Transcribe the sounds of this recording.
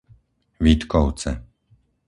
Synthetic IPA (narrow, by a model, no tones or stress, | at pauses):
vit̪kɔwt͡sɛ̰